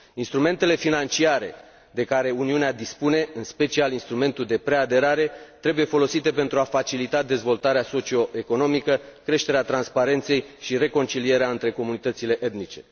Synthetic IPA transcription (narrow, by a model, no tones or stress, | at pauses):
inst̪ɾume̞nt̪e̞le̞finant͡ʃiaɾe̞̰ | d̪e̞kaɾe̞uniunead̪ispune̞ɨnspe̞t͡ʃialinst̪ɾume̞nt̪uld̪e̞pɾe̞ad̪e̞ɾaɾe̞t̪ɾe̞buje̞fo̞lo̞sit̪e̞pe̞nt̪ɾuafat͡ʃilit̪ad̪e̞zvo̞lt̪aɾeaso̞t͡ʃio̞e̞ko̞no̞mikəkɾe̞ʃt̪e̞ɾeat̪ɾanspaɾe̞nt̪se̞jʃiɾe̞ko̞nt͡ʃilie̞ɾeaɨnt̪ɾe̞ko̞munit̪ət̪sile̞ʔed̪nit͡ʃe̞